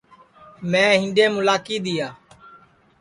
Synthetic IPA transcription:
mɛ̃ːɦɪ̃nɖẽːmʊlaːkiːd̪ɪjaː

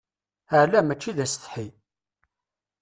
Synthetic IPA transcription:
əʕlæmæt͡ʃːiðæsθħi

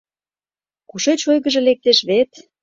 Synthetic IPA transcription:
kuʃet͡ɕojɣə̆ʒĕlek̚t̪eʃβet̪

